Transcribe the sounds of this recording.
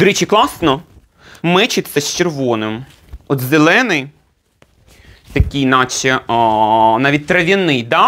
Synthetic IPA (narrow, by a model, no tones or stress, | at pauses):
d̪̥ʊɾɛt͡ʃiklˠɑsnɔ | mɪt͡ʃɪt̪t͡sʲːɐst͡ʃerʋɔnɪm | ɔt̪zelˠɛnɪj | t̪ɐkʲijnɑt͡ʃʲɛ | nɑʋʲit̚ʲt̪ɾɐʋʲɐnɪjd̪ɑ